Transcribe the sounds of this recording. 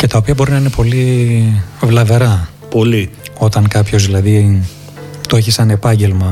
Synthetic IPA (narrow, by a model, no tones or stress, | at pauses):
ce̞t̪ɐopiɐbo̞ɾinɐine̞po̞li | vlɐve̞ɾɐ | poli | o̞t̪ɐŋkɐpço̞zðilɐði | t̪o̞eçisɐne̞pɐɲɟe̞lmɐ